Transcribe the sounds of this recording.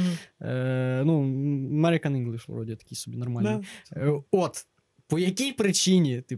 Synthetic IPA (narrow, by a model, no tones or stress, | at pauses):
ənuɐmɛɾʲɪkɐniŋɡlˠɨʂɾodʲɪt̪ɐ̥kʲijsʲubʲinɐrmalɨ | ot̪ | pɔjɐkʲijpɾɪt͡ɕinʲɪt̪ɨ